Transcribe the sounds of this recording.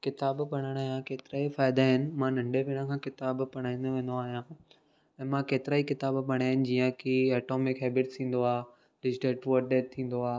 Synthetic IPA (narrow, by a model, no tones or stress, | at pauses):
kɪt̪aːbpɐɽ̃əɽ̃aːɦijãkeːt̪ɪɾaːifaːɪd̪aɦɪnɪ̆mãnɐ̃ɳɖʱepeːɽ̃ə̃kʰãːkɪt̪aːbpɐɽ̃aːĩnd̪oʋẽːn̆d̪oaːɦijã | ɛ̃ːmãkeːt̪ɪɾaːikɪt̪aːbpɐɽ̃aːɦɪnɪ̆d͡ʑiːə̃kiɐːʈoːmɪkɦɛːbɪʈst̪ʰĩːn̆d̪oaː | ɖɪd͡ʑʈeːʈʋoɗeːʈt̪ʰĩːn̆d̪oaː